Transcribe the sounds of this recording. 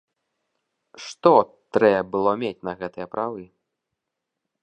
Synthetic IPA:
ʂt̪ɔt̪ɾɛbɨlˠɔmʲet͡sʲnɐɣɛt̪ɨjɐpɾʔavɨ

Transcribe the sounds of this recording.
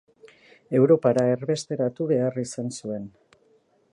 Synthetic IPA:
e̞wɾo̞paɾae̞ɾβe̞st̪e̞ɾat̪uβe̞arisansue̞n

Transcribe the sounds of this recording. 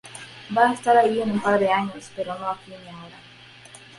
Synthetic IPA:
baest̪aɾaienumpaɾðe̞aɲo̞speɾonoakinjaoɾa

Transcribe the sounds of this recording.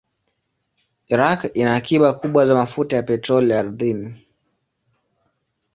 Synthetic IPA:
iɾakinaːkiɓakuɓwazamafutajapɛtɾɔlijaɾðini

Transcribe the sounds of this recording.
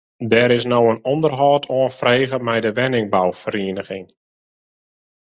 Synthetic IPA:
dɛɾɪs̬nowənɔndərɦɔːtʰoənfreːɣəmɛjdəʋɛnɪŋbawfəɾiənəχɪŋ

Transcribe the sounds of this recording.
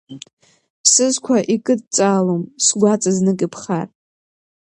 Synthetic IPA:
pʰsɨzkʷʰaʔikʼɨd̚t͡sʼaːlomsɡʷat͡sʼaznɨkʼipʰχar

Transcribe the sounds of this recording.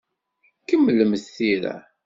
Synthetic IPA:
kəmːləməθθiɾæ̰

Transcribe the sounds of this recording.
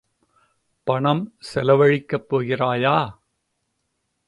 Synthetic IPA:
pɐɳɐmsɛlɐʋɐɻɪkːɐpːoːɣɪraːjaː

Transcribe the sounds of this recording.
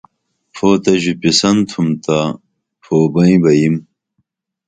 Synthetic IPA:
fʰoːt̪ɐʑupisɐnt̪ʰumt̪a | fʰoːbɐĩbɐjim

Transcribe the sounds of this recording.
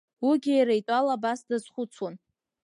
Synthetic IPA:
wiɡʲijɾajtʼalabasdazχʷʊt͡sʰwon

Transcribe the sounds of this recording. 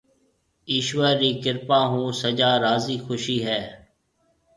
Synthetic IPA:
iːʃʋəɾːiːkɪɾpãːɦũːsəd͡ʒaːɾaːziːxʊʃiːɦɛː

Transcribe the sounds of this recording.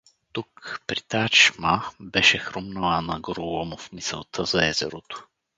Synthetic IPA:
t̪ukpɾit̪at͡ʃmabɛʃɛxɾomnəlˠanɐɡɾolˠomofmisə̰lˠt̪ʰəzɐɛzɛ̰ɾot̪o̥

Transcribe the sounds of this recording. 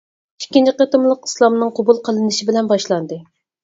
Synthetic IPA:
i̥kʲːint͡ʃʰiqet̪ɨmlˠəqi̥slˠɑmnɨŋqʰobulˠqʰəlˠɨnɨʃibɪlɛnbɑʃlˠɑnd̪ɨ

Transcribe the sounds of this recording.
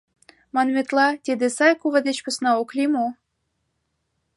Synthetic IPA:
mɑnmʲet̪lɑt̪ʲed̪esɑjkuvə̆d̪et͡ɕpə̆snɑoklʲimo

